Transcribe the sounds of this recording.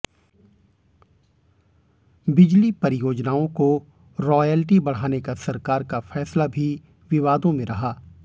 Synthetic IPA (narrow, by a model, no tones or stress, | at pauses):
bɪd͡ʒlipɐɾɪjoːd͡ʒnaːõko | ɾɔːjɛːlʈibɐɽ̤aːnekasɐɾkaːɾkafɛːslabʱi | ʋɪʋaːd̪õmẽɾɐɦaː